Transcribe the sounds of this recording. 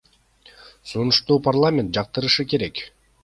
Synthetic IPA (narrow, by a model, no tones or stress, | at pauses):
sunuʃt̪uːparlˠamʲe̞nt̪̚d͡ʒɑq̚t̪ɯɾɯʃɯke̞ɾe̞k